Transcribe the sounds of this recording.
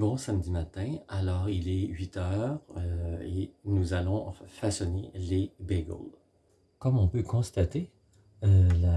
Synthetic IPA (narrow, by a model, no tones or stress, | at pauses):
bɔ̃samd̪imat̪ɛ̃alɔːʁilɛɥit̪œːʁøenuzalɔ̃fasɔnelebeɡo̰l | kɔmɔ̃pøkʰɔ̃st̪at̪e | øla